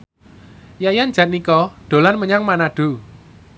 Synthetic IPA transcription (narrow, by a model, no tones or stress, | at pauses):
jajand͡ʒ̥ät̪̚nikɔɖ̪̥o̤lanməɲaŋmanaɖ̥u